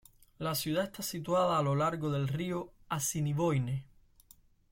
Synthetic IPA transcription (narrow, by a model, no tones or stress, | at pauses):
lasjuð̞ae̞st̪asit̪waðaːlo̞laɾɣo̞ðe̞lrioasiniβo̞jne